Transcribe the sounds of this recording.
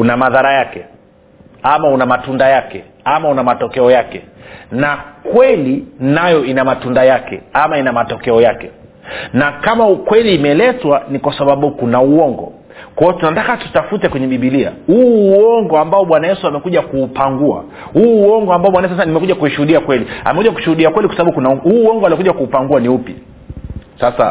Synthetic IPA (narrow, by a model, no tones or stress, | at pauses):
unamaðaɾajakɛ | amaunamatundajakɛ | amaunamatɔkɛɔjakɛnakwɛlinajɔinamatundajakɛ̰amainamatɔkɛɔjakɛ | nakamaukwɛliːmɛlɛtwanikwasaɓaɓukunauɔŋɡɔ̰ | kɔɔtunatakatu̥tafutɛkwɛɲɛɓiɓilia̰huːɔŋɡɔambaɔɓwanajɛsuamɛkuʄakuːpaŋɡua̰ | huːɔŋɡɔambaɔɓwanaɛs̬asanimɛkuʄakuiʃuhuɗiakwɛlia̰mɛkuʄaku̥ʃuhuɗiakwɛlikwasaɓaɓukunahuːɔŋɡɔalikuʄakuːpaŋɡuaniupja̰ | sasa̰